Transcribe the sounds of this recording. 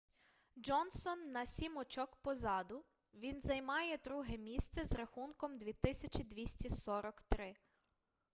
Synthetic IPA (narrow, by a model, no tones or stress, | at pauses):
d͡ʒɔnsɔnːɐsʲimɔt͡ʃɔkpɔzɑd̪ʊ | ʋʲinzɐjmɑjɛd̪ɾuɦɛmʲist̪sɛzɾɐxunkɔmd̪ʲʋʲit̪ɪsʲɐt͡ʃʲid̪ʲʋʲisʲtʲisɔɾɔkt̪ɾɪ